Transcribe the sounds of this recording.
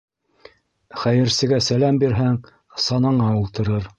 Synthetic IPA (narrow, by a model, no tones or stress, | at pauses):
χæjɘ̆ɾsɘ̆ɡæsælæmbiɾɦæŋ | sɑnɑɴɑulˠt̪ɤ̆ɾɤɾ